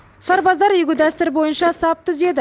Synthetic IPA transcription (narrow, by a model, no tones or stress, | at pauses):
sɑɾbɑzd̪ɑɾjʏɡʲɪd̪æst̪ɪɾbo̞jənʃɑsɑp̚t̪ʰʏze̞d̪ɪ